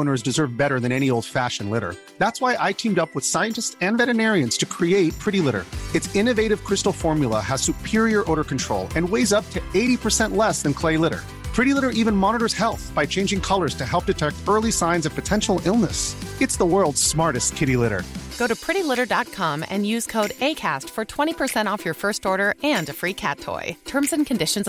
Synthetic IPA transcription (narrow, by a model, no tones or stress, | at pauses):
õʊ̃nə˞zdɨzɜ˞vbɛɾə˞ðɨ̃nɛɾ̃ioʊlˠd̥fæʃɨ̃n̩lɪɾə̰˞ | ðætswaɪʔaɪtʰĩmdʌpwəð̥saɪɨ̃ntɨstsɨ̃nvɛɾɨnɛɹiɨ̃nz̥tʰɨkʰɹ̥ieɪt̚pʰɹ̥ɪɾilɪɾə̰˞ɨtsɪ̃nɨveɪɾɨv̥kʰɹ̥ɪstl̩ˠfɔɹmjl̩ˠə̰əz̥sʉpʰɪɹiə˞ʔoʊɾə˞kn̩tʰɹ̥oʊlˠɨ̃nweɪzʌp̚tʰɨeɪɾipʰə˞sɛ̃nʔlɛsðɨ̃nkʰl̥eɪlɪɾə̰˞ | pʰɹ̥ɪɾilɪɾə˞ʔivɨ̃nmɑnəɾə˞z̥hɛlˠθb̥aɪt͡ʃʰẽɪ̃nd͡ʒɪ̃ŋkʰʌlˠə˞z̥tʰɨɦɛlˠp̚d̥ɨtʰɛk̚tɜ˞lˠisãɪ̃nzʌv̥pʰɨtʰɛ̃nʃl̩ˠɪlˠnəsɨtsðəwɜ˞lˠdz̥smɑɹɾɨstkʰɪɾilɪɾə̰˞ɡ̥oʊɾɨpʰɹ̥ɪɾilɪɾə˞dɑt̚kʰɑ̃mɨ̰̃njʉz̥kʰoʊɾeɪkʰæ̰stfə˞tʰw̥ɛ̃ɾ̃ipʰə˞sɛ̃ɾ̃tɔfjə˞fɜ˞stɔɹɾə˞ɨ̃nɨfɹikʰæ̰tʰːɔ̰ɪtʰɜ̃˞mzɨ̃nkʰɨ̃ndɪʃɨ̃n̩z